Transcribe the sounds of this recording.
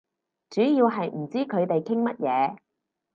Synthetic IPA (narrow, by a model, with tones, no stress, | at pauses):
t͡ʃyː˨˥jiː˧wɦɐ˨jm̩˨˩t͡siː˥kʰɵ˨˧ɥt̪e˨jkʰɪ˥ŋmɐ˥t̚jɛː˨˧